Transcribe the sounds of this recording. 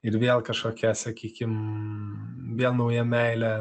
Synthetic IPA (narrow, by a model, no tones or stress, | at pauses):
ɪɾʋʲeɛlˠkɐʃkoːkʲɛsɐkʲiːkʲɪm | ʋʲeɛlˠnɐʊjɛmʲæɪlʲɛ